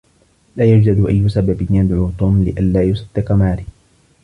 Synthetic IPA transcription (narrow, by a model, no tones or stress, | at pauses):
laːjad͡ʒdad̪ʊʔajːʊsababɪnjad̪ʕuːt̪ˤuːmlɪʔanlaːjʊsˤɑd̪ːɪqamaːɾɪ